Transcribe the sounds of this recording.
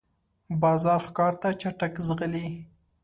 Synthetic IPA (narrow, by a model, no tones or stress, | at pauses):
bɑzɑɾxkɑɾt̪at͡ʃaʈakzɣəli